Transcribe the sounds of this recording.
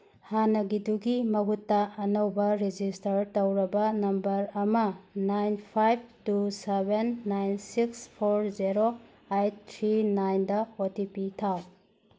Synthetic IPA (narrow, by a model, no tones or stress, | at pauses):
hanɐɡiduɡimɐɡutːɐɐnɐwbɐɾed͡ʒistɐɾtɐwɾɐbɐnɐmbɐɾɐmɐnajnpʰajb̚tusebenːajnsikspʰoɾziɾo | ajttʰɾinajndɐotipitʰaw